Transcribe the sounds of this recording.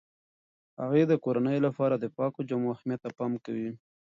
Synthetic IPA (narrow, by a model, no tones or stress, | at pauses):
ha̰ɣed̪əkoɾanəjolapɑɾad̪əpɑkod͡ʒamoaxmjat̪ːapɑmkawi